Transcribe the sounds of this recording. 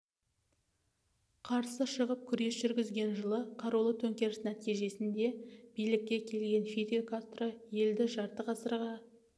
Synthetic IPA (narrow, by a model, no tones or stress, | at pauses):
qʰɑɾsəʃəʁəp̚kʲʰʏɾe̞sʒʏɾɡʲɪzɡʲe̞nʒəlˠəqʰɑɾulˠət̪ʰɵŋkʲe̞ɾɪsnæt̪ijʒe̞sɪnd̪e̞b̥ijlɪk̚ʲːe̞kʲʰe̞lɡʲe̞nfiɾʲokat̪rəje̞ld̪ɪʒɑɾt̪əqʰɑsəɾʁɑ